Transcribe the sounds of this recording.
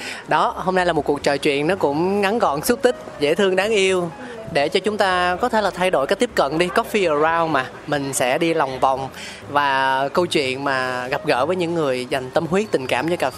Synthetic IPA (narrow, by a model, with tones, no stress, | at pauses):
ɗɔ˨˦ho˧mna˧jlaː˨˩mo˨˩t̚ku˨˩k̚t͡ɕəː˨˩jt͡ɕwḭ˧˨ənnːɔ˨˦kʊ̰˧˥ŋ͡mŋa˨˦nkɔ˧˨˩nsu˦˥t̚t̪ï˦˥k̟̚zḛ˧˥t̪ʰɨ˧əŋɗaː˨˦ŋʔi˧əw | ɗe˧˩t͡ɕɔ˧t͡ɕʊ˨˦ŋ͡mt̪aː˧kɔ˨˦t̪ʰe˧˩laː˨˩t̪ʰa˧jɗo̰˧˩jkaː˨˥k̚t̪i˦˥əp̚kə̰˧˨nɗi˧kɔ˨˦˥fi˧ʔəː˨˩zaː˧wmaː˨˩ | mï˨˩ŋ̟sɛ̰˧˥ɗi˧la˨˩wŋ͡mva˨˩wŋ͡m | vaː˨˩kə˧wt͡ɕwḭ˧˨ənmaː˨˩ɣa˨˩p̚ɣə̰ː˧˥vəː˨˦jɲɨ̰˧˥ŋːɨ˨˩əjza˨˩jŋ̟t̪ə˧mɦwi˦˥ət̚t̪ï˨˩ŋ̟ka̰ː˧˩mt͡ɕɔ˧jkaː˨˩˦